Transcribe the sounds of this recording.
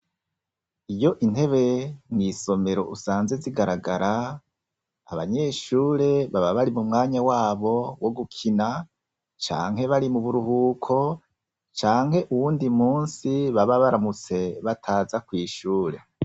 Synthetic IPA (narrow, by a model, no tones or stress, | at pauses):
ijo̞ʔinhe̞βe̞mŋiːso̞me̞ɾo̞̰ʔusaːnzeziɡaɾaɡaɾa | aβaɲe̞ʃuːɾe̞βaβaβaɾimumŋaːɲawaːβo̞wʔo̞ɡukʰina | t͡ʃa̰ːŋhe̞βaɾimuβuɾuhuːkʰo̞ | t͡ʃaːŋhe̞ʔuwuːndimuːnsiβaβaβaɾamut͡se̞βatʰaːzakwiːʃuːɾe̞